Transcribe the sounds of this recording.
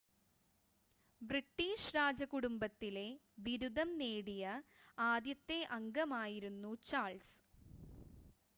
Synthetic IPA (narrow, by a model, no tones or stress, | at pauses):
briʈːiːʂɾaːd͡ʑɐkuɽumbɐt̪ːile̞ | ʋiɾud̪ʱɐmneːɽijɐaːd̪jɐt̪ːe̞ʔɐŋɡɐmaːjiɾunːut͡ɕaːɭs